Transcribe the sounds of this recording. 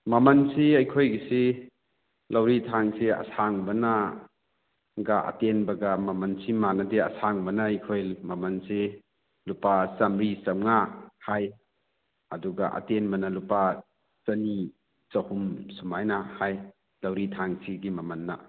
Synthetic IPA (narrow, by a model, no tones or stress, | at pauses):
mɐmɐnsiɐjkʰojɡisi | lɐwɾitʰaŋseɐ̰saŋbɐna | ɡaʔɐ̰tenbɐɡɐmɐmɐnsimanɐdeɐ̰saŋbɐnɐɐjkʰojmɐmɐnse | lupasɐmɾisɐmŋahaj | ɐ̰duɡaʔɐ̰tenmɐnɐlupa | sɐni | sɐhumsumajnahaj | lɐwɾitʰaŋsiɡimɐmɐnːɐ̰